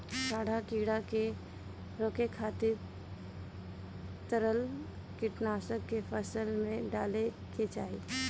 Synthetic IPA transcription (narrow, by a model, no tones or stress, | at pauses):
saːɽ̤ʱakiːɽake | ɾoːkekʰaːt̪ɪɾ | t̪əɾəl | kɪʈnaːsəkːefʰəsəlmẽɖaːle | ket͡ʃa̰ːɦḭ